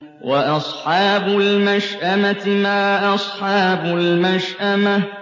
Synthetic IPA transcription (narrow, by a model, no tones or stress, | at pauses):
waʔɑsˤħɑːbʊlmaʃʔamaɪmaːʔɑsˤħɑːbʊlmaʃʔama